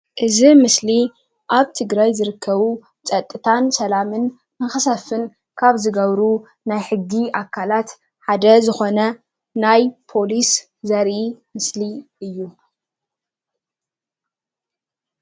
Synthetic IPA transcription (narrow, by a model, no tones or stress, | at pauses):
ʔɨzimɨsli | ʔaβt̪ʰɨɡɾajzɨɾɨkʰːɐβu | t͡sʼɐt̪ʼːɨt̪ʰansɐlamɨn | mɨxɐsɐfɨn | kʰaβzɨɡɐβɾu | najħɨɡːiʔakʰːalat̪ | ħad̪ɐzɨxo̞nɐ | najpʰo̞lis | zɐɾʔimɨsliʔɨjːu